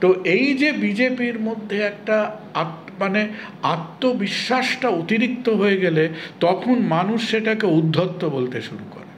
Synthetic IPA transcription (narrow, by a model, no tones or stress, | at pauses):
t̪oʔejd͡ʑebid͡ʑepiɾmod̪ʱːeɛk̚ʈaat | maneat̪ːobiʃːaʃʈaot̪iɾik̚t̪oɦoeɡɛlet̪ɔkʰonmanuʃːeʈakeud̪ʱːot̪ːobolt̪eʃuɾuko̰ɾe